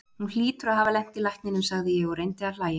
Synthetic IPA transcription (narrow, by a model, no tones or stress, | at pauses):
hunl̥iːt̪ʏɾaɦavalɛn̥t̪ɪlajht̪nɪnʏmsaɣðɪjɛɣɔɾejnt̪ɪal̥aːjɪ